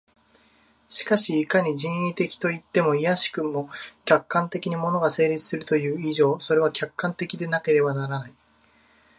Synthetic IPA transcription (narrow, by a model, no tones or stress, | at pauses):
ɕi̥kaɕiːkaɲ̟id͡ʑĩnjʲit̪e̞kʲi̥t̪o̞it̪ːe̞mo̞ijaɕi̥kɯ̟mo̞kʲakːãnt̪e̞kʲiɲ̟imo̞no̞ɡase̞ːɾʲit͡sɨ̥sɨɾɯ̟t̪o̞jɯ̟ːiʑo̞ːso̞ɾe̞β̞akʲakːãnt̪e̞kʲid̪e̞nake̞ɾe̞banaɾanai